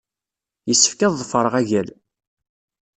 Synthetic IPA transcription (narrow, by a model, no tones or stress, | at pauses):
jəsːə̥fkæððˤəfəɾˤəʁæʝæl